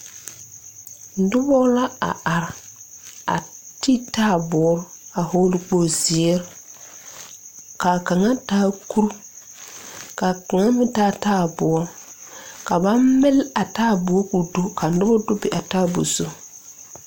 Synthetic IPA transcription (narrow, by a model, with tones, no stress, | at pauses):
n̩˦dʊ˦bɔ˦la˦a̰˨a˨ɾɪ˨ | a̰˨ti˦taː˦˨bɔː˨˦ɾa˨ho˦lɪ˦k͡po˦˨zɪ˨˦ɛ˦ɾ | ka˨ka˨ŋa˦taː˦ku˦ɾu˦ | ka˨ka˨ŋa˦mɪ˦taː˦taː˦˨bɔ˨ɔ˦ɾka˨ba˦mmɪ˦la˨taː˦˨bʊ˨˦ku˨do˦ka˨n̩˦dʊ˦bɔ˦dʊ˦bɪ˨ʔa˨taː˦bo̰˨so˦